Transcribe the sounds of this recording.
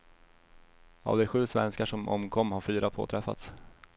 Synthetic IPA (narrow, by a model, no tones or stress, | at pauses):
a̰vd̪ɛɧʉ̟ːsvɛnskaʂɔmɔ̰mkʰɔmːhaɾfyːɾapʰo̰ːt̪ʰɾɛfːa̰t̪s